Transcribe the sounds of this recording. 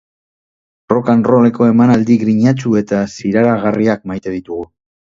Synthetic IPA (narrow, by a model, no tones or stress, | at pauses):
ro̞kanro̞le̞ko̞e̞manald̪iɣɾiɲat͡ʃue̞t̪asiɾaɾaɣ̞ariakmajt̪e̞ð̞it̪uɣu